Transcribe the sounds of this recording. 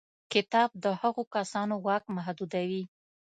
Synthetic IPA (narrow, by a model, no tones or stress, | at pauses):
kɪt̪ɑb̚d̪əhaɣokasɑnoɣɑkmaɦd̪ud̪awi